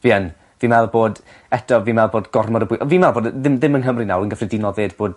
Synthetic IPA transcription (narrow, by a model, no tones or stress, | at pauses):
viːən | viːmɛlˠboːd | ɛdɔviːmɛlˠboːdɡ̥ɔrmɔɾəbʊjʔɔviːmɛlˠboːdðɪmðɪmənɦəmrinawənɡəfridinɔlðeːdb̥oːd̥